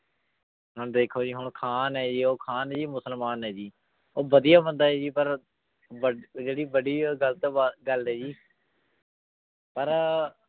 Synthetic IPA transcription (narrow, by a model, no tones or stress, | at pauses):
ɦəɳd̪eːkʰoːd͡ʒiːɦʊɳkʰaːnɦɛːd͡ʒiːoːkʰaːnɦɛːd͡ʒiːmʊsəlmaːnɦɛːd͡ʒiː | oːbəd̪ɪijaːbənd̪aːɛːd͡ʒiːpəɾ | bəd͡ʒeːɽiːbəɖiːɡəlt̪oːɡəlɦɛːd͡ʒiː | pəɾ